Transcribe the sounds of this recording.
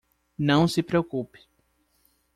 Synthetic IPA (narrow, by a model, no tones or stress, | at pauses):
nɐ̃w̃sɪpɾeokupɪ̥